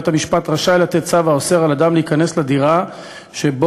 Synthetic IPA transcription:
t̪hamiʃpat̪ʁaʃaelat̪etsavaoseʁalad̪amleikanesled̪iʁa | ʃeb

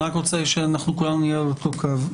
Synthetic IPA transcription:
akʁot͡seʃeanaχnukulanunijeot̪okʰav

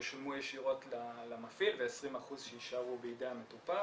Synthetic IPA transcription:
ʃmujeʃiʁo̞tlalamafilveesʁimaχuzʃeiʃaʁubeideametupa

